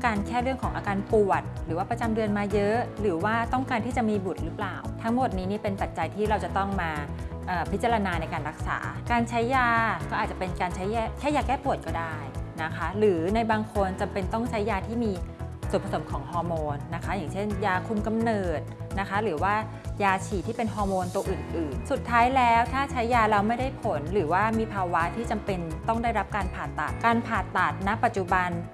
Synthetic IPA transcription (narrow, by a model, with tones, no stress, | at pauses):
kaː˧nkʰɛː˥˩ɾɯ˥˩əŋkʰɔː˩˦ŋʔaː˧kaː˧npu˨˩ət̪̚ɾɯː˩˦waː˥˩pɾa˧t͡ɕa˧mdɯ˧ənmaː˧jɤ˦˥ʔɾɯː˩˦waː˥˩t̪ɔ˥˩ŋkaː˧nt̪ʰiː˥˩t͡ɕa˨˩ʔmiː˧bu˨˩t̪̚ɾɯ˦˥plaː˨˩wt̪ʰa˦˥ŋmo˨˩t̪̚niː˦˥niː˥˩pe˧npa˨˩t̪̚t͡ɕa˧jt̪ʰiː˥˩ɾa˧wt͡ɕa˨˩t̪ɔ˥˩ŋmaː˧ | ʔɤː˨˩pʰi˦˥t̪t͡ɕa˧ɾa˧naː˧na˧jkaː˧nɾa˦˥k̚sa̰ː˩˦kaː˧nt͡ɕʰa˦˥jːaː˧kɔː˥˩ʔaː˨˩t̚t͡ɕa˨˩pe˧nkaː˧nt͡ɕʰa˦˥jaː˥˩kʰɛː˥˩jaː˧kɛː˥˩pu˨˩ət̪̚kɔː˥˩daː˥˩jna˦˥kʰa˦˥ɾɯː˩˦na˧jbaː˧ŋkʰo˧nt͡ɕa˧mpe˧nt̪ɔ˥˩ŋt͡ɕʰa˦˥jːaː˧t̪ʰiː˥˩miː˧ | su˨˩npʰa˧so˩˦mkʰɔː˩˦ŋɦɔː˧moː˧nːa˦˥kʰa˦˥jaː˨˩ŋt͡ɕʰe˥˩njaː˧kʰu˧mka˧mnɤː˨˩t̪̚na˦˥kʰa˦˥ɾɯː˩˦waː˥˩ | jaː˧t͡ɕʰiː˨˩t̪ʰiː˥˩pe˧nɦɔː˧moː˧nt̪u˧ɐʔɯː˨˩nʔɯː˨˩nsu˨˩t̪ʰːaː˦˥jlɛː˦˥wt̪ʰaː˥˩t͡ɕʰa˦˥jːaː˧ɾa˧wma˥˩jda˥˩jpʰo˩˦nɾɯː˩˦waː˥˩miː˧pʰaː˧wa˦˥t̪ʰiː˥˩t͡ɕa˧mpe˧nt̪ɔ˥˩ŋda˥˩jɾa˦˥p̚kaː˧npʰaː˨˩t̪ːa̰˨˩t̪̚kaː˧npʰaː˨˩t̪ːa˨˩t̪̚na˦˥pːa˨˩t̪̚t͡ɕu˨˩ba˧n